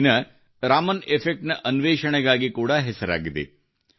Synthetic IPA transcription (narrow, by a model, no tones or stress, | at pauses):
nɐ | ɾaːmɐnepʰek̚ʈnɐʔɐnʋeːʃɐɳɛɡaːɡikuːɽɐɦɛsɐɾa̰ːɡid̪ḛ